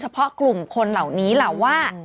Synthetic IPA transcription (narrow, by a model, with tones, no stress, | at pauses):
t͡ɕʰa˧pʰɔ˦˥ʔklu˨˩mkʰo˧nla˨˩wniː˦˥la˨˩wːaː˥˩